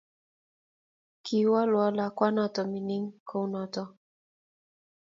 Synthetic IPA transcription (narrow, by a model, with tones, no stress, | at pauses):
kʰi˨˦wa˦lwɔ˦la˨kwa˦nɔ˦tɔ˨mi˨ni˦ŋkʰo˦wnɔ˨tɔ˦